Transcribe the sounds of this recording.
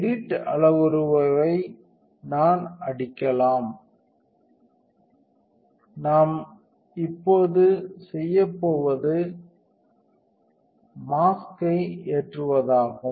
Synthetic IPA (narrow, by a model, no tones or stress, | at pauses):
ɾiʈːɐɭɐʋɔɾɯʋɐʋɐɪ | naːnɐɽɪkːɐlaːm | naːm | ɪpːoːðɯsɛjːɐpːoːʋɐðɯ | maːskɐɪeːʈrɯʋɐðaːɣɯm